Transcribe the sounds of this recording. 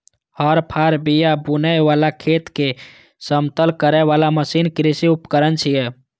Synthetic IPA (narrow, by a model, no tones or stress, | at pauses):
hɔɾpʰaɾbijabunəʋalakʰet̪ke | səmt̪əlkəɾɛʋalaməsinkɾisiupkəɾənt͡ʃʰijɛ